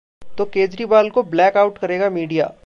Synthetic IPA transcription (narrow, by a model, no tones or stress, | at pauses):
t̪okeːd͡ʒɾiːbaːlkoblɛːkaːʊʈkɐɾeːɡamiːɖija̰ː